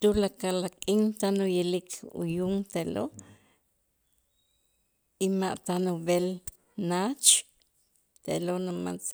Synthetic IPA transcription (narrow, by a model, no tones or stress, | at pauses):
t̪ulakalakʼiŋt̪anujilikʰṵjuŋt̪eʔlo | imaʔt̪anubel | nat͡ʃ | t̪eʔlonama̰nt͡s